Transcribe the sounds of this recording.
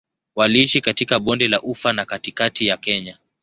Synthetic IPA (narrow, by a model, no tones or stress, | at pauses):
waliiʃikatikaɓɔndɛlaʔufanakatikatijakɛɲa